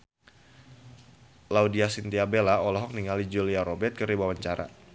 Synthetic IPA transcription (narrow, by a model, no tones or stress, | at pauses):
laudiasint̪iabelaɔlɔɦɔk̚niŋalid͡ʒuliaɾobɛt̪̚kəɾibawaɲt͡ʃaɾa̰